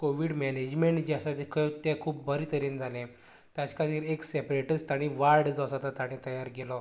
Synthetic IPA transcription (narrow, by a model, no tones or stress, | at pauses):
koʋiːɽmɛned͡ʑmeɳʈd͡ʑasat̪ikʰət̪ɛ̃kʰuːp̚bəɾit̪əɾind͡zʱalẽ | t̪ãt͡ɕkat̪iːɾeksɛpɾeʈəst̪aɽ̃ĩʋaɾɽd͡zasat̪at̪aɽ̃ĩt̪əjaɾɡelɔ